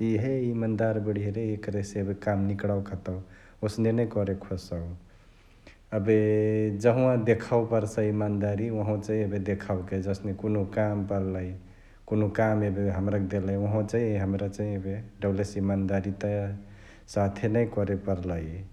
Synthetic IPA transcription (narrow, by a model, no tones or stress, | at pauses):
iɦeimand̪aɾbəɽ̤iɾeekɾeseəbekamnikɽawkʰət̪ə | osnenəjkɔɾekʰosə | əbed͡ʒəɦũãd̪ekʰawpəɾsə̃imand̪aɾiʋəɦõt͡ʃaɦĩəbed̪ekʰawked͡ʒəsnekonokampəɾləj | konokamebeɦəmɾakd̪eləjʋəɦõt͡ʃaɦiɦəmɾat͡ʃaɦiebeɖəblesimand̪aɾit̪ə | sat̪ʰenəjkɔɾepəɾləj